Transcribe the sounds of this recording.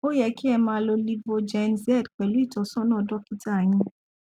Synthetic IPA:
o˦jɛ˧ki˦ɛ˧mãː˧lo˧li˦vo˧d͡ʒɛ˧nzɛ˦˨dk͡pɛ˨lu˨˦i˦˨tɔ˨˦sɔ̃˦nã˦˨dɔ˦ki˦ta˦˨j̃ĩ˧

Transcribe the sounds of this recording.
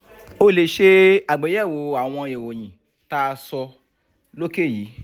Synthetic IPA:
o˧le˨ʃe˧a˨ɡ͡bɛ˨˦jɛ˦˨wo˨˦a˨w̃ɔ̃˧e˨wo˨j̃ĩ˨ | ta˦˧sɔ˧ | lo˦ke˦˨jiː˨˦

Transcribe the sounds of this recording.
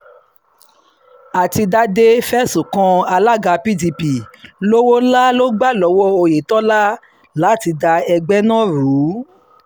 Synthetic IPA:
a˨ti˧da˦de˦fɛ˦su˨kɔ̃˧a˧la˦ɡa˧pi˦di˧pi˨lo˦wo˦la˦lo˦ɡ͡ba˦˨lɔ˨˦wɔ˦o˧je˨tɔ˦la˦ | la˨˦˨ti˧da˧ɛ˧ɡ͡bɛ˦nã˦˨ɾu˨˦

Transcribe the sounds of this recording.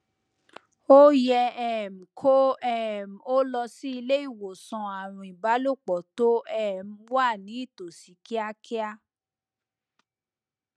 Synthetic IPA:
o˦jɛ˧ɛ˦˨m̩˨kʰo˦ɛ˦˨m̩˨o˦lɔ˧si˦i˧le˦i˦˨wo˨sɔ̃˧a˨ɾ̃ũ˧˨i˨ba˨˦lo˦˨k͡pɔ˨to˦ɛ˦˨m̩˨˦wa˦˨nĩ˨˦i˦˨to˨si˨˦ki˦a˦kʰi˦a˦

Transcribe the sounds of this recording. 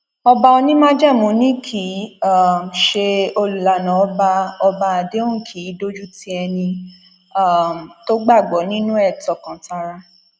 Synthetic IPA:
ɔ˧ba˧o˧nĩ˦mã˦d͡ʒa˦˨mõ˨nĩ˦kʰi˨˦a˦˨m̩˨ʃe˧o˧lu˨la˨˦nã˨ɔ˦ba˧ɔ˧ba˧a˨de˦õ˦˨kʰi˨˦do˦d͡ʒu˦tĩ˦ɛ˧nĩ˧ | a˦˨m˨to˦ɡ͡ba˦˨ɡ͡bɔ˨˦nĩ˦nũ˦ɛ˦˨tɔ˨kã˨˦ta˧ɾa˧

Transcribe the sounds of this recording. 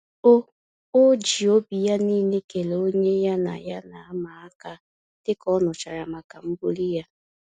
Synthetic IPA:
o˦ | o˦d͡ʒi˨o˦bi˨ja˦niː˦˨ne˦ke˨lo˦ɲe˦ja˦na̰˨ja˦na˨a˦ma˨a˦ka˦ | tɪ˦kɔ˦nʊ˨t͡ʃa˨ɾa˨ma˨ka˨m̩˦bu˦li˦ja˦

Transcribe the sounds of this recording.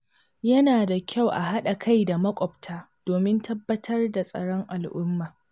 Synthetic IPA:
jɐ˦naː˨da˨kʲa˦˨wʔa̰˨ɦa˦ɗa˨kʰa˦jda˨mɐ˦kʷʼɔ˨b̚tʰaː˦ | d̥oː˨mɪ˦ntʰɐ˦bːɐ˦tʰɐ˦rda˨sʼɐ̰˦ɽɔ˦ŋʔa˨lʔʊ˦mːaː˨

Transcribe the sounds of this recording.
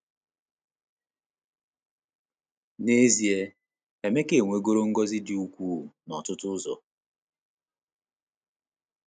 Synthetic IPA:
ne˦zi˨e˦ | e˨me˦ke˨ŋʷe˨ɡo˦ɾo˦ŋ̩˦ɡɔ˦zɪ˦dɪ˨u˦kʷuː˦˨nɔ˨tʊ˦tʊ˦ʊ˦zɔ̰˨

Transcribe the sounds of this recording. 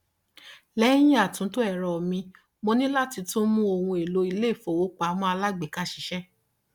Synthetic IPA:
lɛ˦j̃ĩ˦a˨tũ˨˦to˦ɛ˦˨ɾɔ˨mĩ˧ | mo˧nĩ˦la˦ti˧tũ˦mũ˦o˧wũ˧e˨lo˧˦i˧le˦˨fo˨wo˨˦k͡pa˨˦mɔ̃˦a˧la˦ɡ͡be˨ka˦ʃi˨˦ʃɛ˦

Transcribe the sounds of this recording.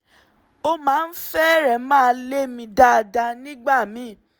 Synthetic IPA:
o˦mãː˨˦n̩˦fɛ˦ɾɛ˨mãː˦˧le˦mĩ˧da˦˨da˧nĩ˦ɡ͡ba˦˨mĩ˨˦

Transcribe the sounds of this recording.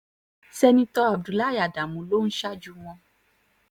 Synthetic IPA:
sɛ˧nĩ˧t̪ɔ˦a˨b̚du˨la˦ja˨ɖa˨mũ˨lo˦ŋ̩̃˦ʃa˦d͡ʒu˧wɔ̃˧˦

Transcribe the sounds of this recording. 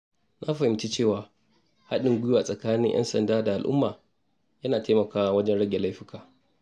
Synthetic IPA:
nʔa˦ɸɐ˨hɪ˨mt͡ʃi˦t͡ʃeː˦˨waː˨ | ha˦ɗɪ˨ŋɡʷʊ˦ju˦waː˨sʼɐ˨kaː˦nɪ˦ŋʔɛ̰˦nsɐ˨ndaː˦da˨ʔa˨lʔʊ̰˦mːaː˨ | jɐ˦naː˨teː˦mɐ˨kaː˦wa˦wɐ˦d͡ʒɛ˦nɽɐ˦ɡʲe˨la˦jɸɪ˦kʰaː˨ʔ

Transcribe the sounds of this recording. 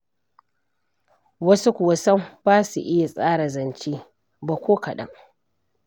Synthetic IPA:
wɐ˦su˦kʷʊ˨wɐ˦sɐ˦mbaː˦sṵ˨ʔɪ˦ja˨sʼaː˦ɽa˨zɐ˨nt͡ʃiː˦ | bɐ˨kʷoː˦kɐ˨ɗɐ̰˦ŋ

